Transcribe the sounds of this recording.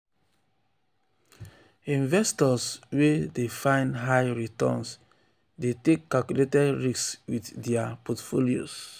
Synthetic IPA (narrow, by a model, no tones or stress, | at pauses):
ĩnvɛstɔswedefãɪ̃ndɦaɪɹitɔ̰̃ns | detekːalkjuletɛdɹiswiddɛapɔtfolio̰s